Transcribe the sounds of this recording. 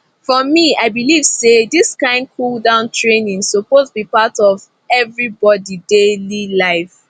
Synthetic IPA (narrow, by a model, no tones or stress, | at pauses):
fɔmiaɪbiliv̥sediskãɪ̃nkʰuldãʊ̃ntʰɹenĩŋsopostbipatɔv | ɛvɹibɔdidelilaɪf